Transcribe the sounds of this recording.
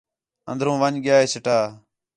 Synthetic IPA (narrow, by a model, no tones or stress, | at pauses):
ə̰nd̪ɾũːʋəɲɡɪjaːɦeːsɪʈaː